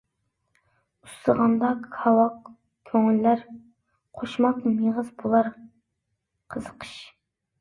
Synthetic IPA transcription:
ust̪əʁɑnd̪ɑkʰɑwɑq | kʲʰøŋylːæɾ | qʰoʃmɑqmeʁəzbulˠɑɾ | qʰəzəqʰə̥ʃ

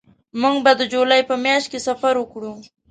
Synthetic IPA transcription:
muŋɡbad̪əd͡ʒolɑjpəmjɑʃt̪̚kesafaɾwəkɽu

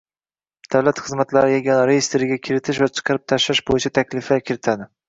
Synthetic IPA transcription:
d̪̥awlat̪χɨzmat̪laɾɪjeɡʲanɾejest̪ɾɪɡʲakʲʰɪɾɪt̪ʰɪʃvat͡ʃʰɨ̥qʰɑɾɪp̚t̪ʰaʃɾaʃbojɪt͡ʃʰat̪ʰakʲlɪfakʲʰɪɾɪt̪ʰad̪ɪ

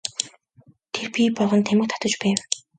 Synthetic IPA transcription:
t̪ʰerpʲiːpɔɮʁɞ̆nt̪ʰæmɘ̆k̚t̪ʰɔ̥t̪ɞ̆t͡ɕpæːw

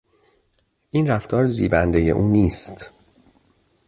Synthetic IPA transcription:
ʔiːnræft̪ʰɒːɾzḭːbænd̪ejḛʔuːniːst̪

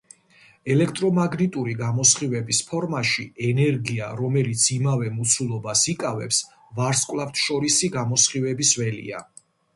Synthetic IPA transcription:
ɛlɛkʰt̪ʼɾɔmaɡnit̪ʼuɾiɡamɔsχivɛbispʰɔɾmaʃiɛnɛɾɡia̰ɾɔmɛlit̪sʰimavɛmut̪sʰulˠɔbasikʼavɛ̰ps | vaɾskʼvlˠaft̪ʰʃɔɾisiɡamɔsχivɛbisvɛlḭa̰

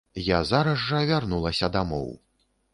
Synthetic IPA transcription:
jazaɾɐʐːɐvʲarnulˠɐsʲɐd̪amɔ̰w

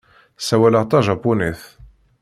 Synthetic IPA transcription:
sæwæləʁt̪ˤɑʒɑpːuniθ

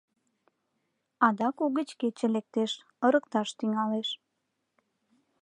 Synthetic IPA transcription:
ɑd̪ɑkuɣət͡ɕket͡ɕelek̚t̪eʃ | ə̆ɾək̚t̪ɑʃt̪yŋɑleʃ

